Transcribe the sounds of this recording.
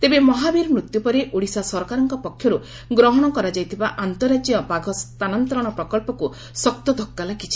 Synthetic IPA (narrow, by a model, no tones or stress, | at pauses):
t̪ebemɔɦabiɾmɾut̪jupɔɾeʔoɽisasɔɾkaɾɔŋkɔpɔkʰjɔɾu | ɡɾɔɦɔɽ̃ɔkɔɾad͡ʒajt̪ʰibaʔant̪ɔɾad͡ʒijɔbaɡʱɔst̪anɔnt̪ɔɾɔɽ̃ɔpɾɔkɔlpɔku | sɔkt̪ɔd̪ʱɔkːalaɡit͡ʃʰi̥